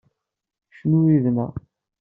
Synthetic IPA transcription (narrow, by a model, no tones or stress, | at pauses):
ʃnuɾiðnæ̰